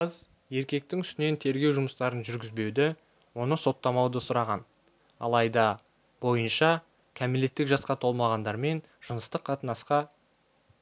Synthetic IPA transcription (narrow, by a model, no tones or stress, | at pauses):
əz | je̞ɾkʲe̞k̚t̪ɪŋʏst̪ɪne̞nt̪ʰe̞ɾɡʲe̞wʒʊməst̪ɑɾənʒʏɾɡʲɪzbe̞wd̪ɪ | wo̞nəso̞t̪ːɑmɑwd̪əsʊɾɑʁɑn | ɑ̰lˠɑjd̪ɑ | bo̞jənʃɑ | kʲʰæmele̞t̪ːɪkʒɑsqɑt̪ʰo̞lˠmɑʁɑnd̪ɑɾme̞n | ʒ̥ənəst̪əqʰːɑt̪ənɑsqɑ